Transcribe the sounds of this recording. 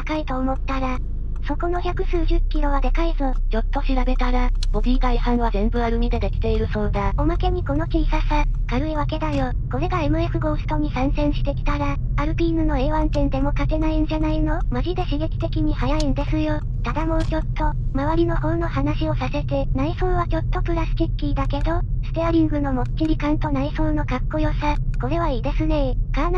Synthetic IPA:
akait̪o̞ːmo̞t̪ːaɾa | so̞ko̞no̞çʲakɯ̟sɨːʑɨkʲːiɾo̞β̞ad̪e̞kaizo̞t͡ɕo̞t̪ːo̞ɕiɾabe̞t̪aɾab̥o̞bʲiːɡaihãɰ̃βazẽ̞mbɯ̟aɾɯ̟mʲid̪e̞d̪e̞kʲi̥t̪e̞iɾɯ̟so̞ːd̪aomake̞ɲ̟iko̞no̞kisasakaɾɯ̟iβake̞d̪ajo̞ | ko̞ɾe̞ɡae̞mɯ̟e̞sɨɡo̞sɯ̥t̪o̞ɲ̟isãɰ̃sẽ̞ɰ̃ɕi̥t̪e̞kʲi̥t̪aɾaː | ɾɯ̟pʲiːnɯ̟no̞e̞ːβãnt̪ẽ̞nd̪e̞mo̞kake̞naind͡ʑanaino̞maʑid̪e̞ɕiɡe̞kʲi̥t̪e̞kʲiɲ̟ihajaind̪e̞sɨjo̞ | t̪ad̪amo̞t͡ɕo̞t̪ːo̞maβaɾʲino̞ho̞ːno̞hanaɕio̞sase̞t̪e̞naiso̞ːβat͡ɕo̞t̪ːo̞pɯ̟ɾasɨ̥t̪ʲikʲːid̪ake̞d̪o̞sɨ̥t̪eaɾʲĩŋɡɯ̟no̞mo̞tt͡ɕiɾʲikãnt̪o̞naiso̞ːno̞kakːo̞jo̞sako̞ɾe̞β̞aiːd̪e̞sɨne̞kan

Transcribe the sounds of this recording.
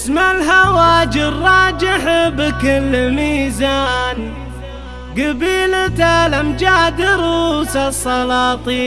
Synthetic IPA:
ʔsmalɦawaːd͡ʒɪˤɑːd͡ʒɪħbɪkɪlmiːzaːn | ɡabiːlat̪alamd͡ʒad̪ɪɾuːsasˤːɑlɑːt̪ˤiː

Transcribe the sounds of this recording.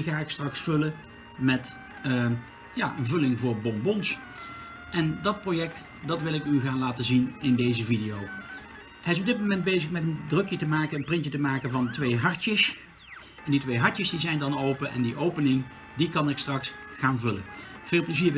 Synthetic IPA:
ɣaːɪkstrɑksfɵlə | mɛt | jaːʔənvɵlɪŋvʊːɹbɔmbɔns | ʔɛndɑt̚projɛk̚t | dɑtʋɪlˠɪkyɣaːnlaːtəzinɪndejzəvidijow | həɪs̬ɔb̚dɪt̚mowmɛnd̚bejzəχmɛtəndrɵkjətəmaːkəənprɪntətəmaːkənvɑntʋejɦɑɹtəs | ɛnditʋejɦɑɹtəsdizɛjndɑnowpənʔɛ̰ndiʔowpənɪŋ | dikɑnɪkstrɑksχaːnvɵlə̰v̥ɪːlˠpləziːɹb

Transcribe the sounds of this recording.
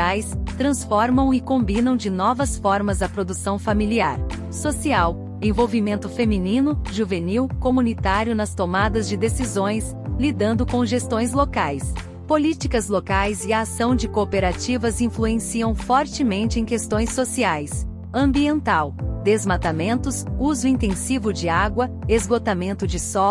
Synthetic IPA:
ajst̪ɾɐ̃sfɔɾmɐ̃w̃ɪkõmbĩnɐ̃w̃d͡ʒɪnɔvɐsfɔɾmɐzɐpɾod̪usɐ̃w̃familiaɾ | sosiaw | ẽvowvimẽnt̪ʊfemĩnĩnʊʒuveniwkomũnit̪aɾjʊnɐst̪omad̪ɐzd͡ʒɪd̪esizõj̃s | lid̪ɐ̃nd̪ʊkõʒest̪õj̃slokajs | polit͡ʃikɐzlokajzɪɐːsɐ̃w̃d͡ʒɪkopeɾat͡ʃivɐzĩfluẽsiɐ̃w̃fɔɾt͡ʃɪmẽnt͡ʃɪẽj̃kest̪õj̃sːosiajs | ɐ̃mbiẽnt̪awd̪ezmat̪amẽnt̪ʊsuzʊĩnt̪ẽsivʊd͡ʒɪaɡwɐezɡot̪amẽnt̪ʊd͡ʒɪsɔ

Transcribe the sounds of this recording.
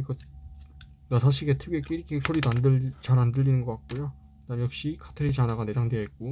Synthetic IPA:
ɡʌ | nasʰaɕʰiɡetʰɯɡek͈iɾikʰek̚sʰoɾidandɯt͡ɕaɾandɯʎːinɯnɡʌk͈at̚k͈ojo | nanjʌk̚ɕ͈ikʰḁtʰɯɾit͡ɕanaɡane̞daŋdeɦet̚k͈u

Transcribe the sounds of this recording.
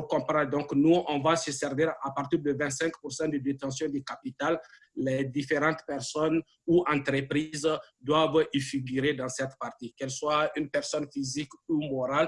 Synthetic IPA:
kɔ̃pɾɑ̃d̪ɔ̃knuɔ̃vasəsɛʁviʁapaʁt̪iʁd̪əvɛ̃nt̪sɛ̃ŋkpuʁsɑ̃d̪əd̪et̪ɑ̃sjɔ̃d̪ykapit̪alː | ɛd̪ifeʁɑ̃t̪pɛʁsɔn | uɑ̃t̪ʁəpʁizd̪wavifiɡyʁed̪ɑ̃sɛt̪paʁt̪ikɛlswaynpɛʁsɔnfizikumɔʁal

